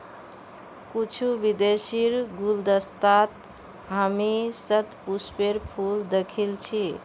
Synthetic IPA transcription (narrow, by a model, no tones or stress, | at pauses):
kut͡ʃʰubid̪esiɾɡuld̪əst̪at̪ | ɦamisət̪puspeɾpʰuld̪ekʰilt͡ʃʰi